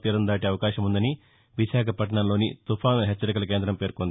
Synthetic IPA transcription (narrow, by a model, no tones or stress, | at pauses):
t̪iːɾɐnd̪aːʈiɐʋɐkaːʃɐmund̪ɐni | ʋiʃaːkʰɐpɐʈ̬ɐɳɐmlo̞ːnḭt̪upʰaːnɦet͡ʃːɐɾikɐlɐk̬e̞ːnd̪ɾɐmpe̞ːɾkond̪i